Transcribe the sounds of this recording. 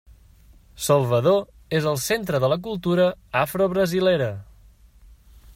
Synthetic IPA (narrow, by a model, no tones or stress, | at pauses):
səlˠβəðo | ezəlˠsent̪ɾəðələk̬ulˠt̪uɾəafɾoβɾəzileɾə